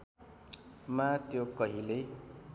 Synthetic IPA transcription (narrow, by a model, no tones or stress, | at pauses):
mat̪jokʌɦile